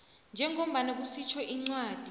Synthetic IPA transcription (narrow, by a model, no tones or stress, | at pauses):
nd͡ʒʱɛŋʱom̩ɓanak̬usit͡ʃʰɔʔiŋ͡ǀwaːd̥ʱi